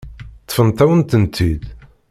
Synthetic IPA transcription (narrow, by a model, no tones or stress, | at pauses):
t̪ˤːfənt̪æwənt̪ənt̪ʰid̪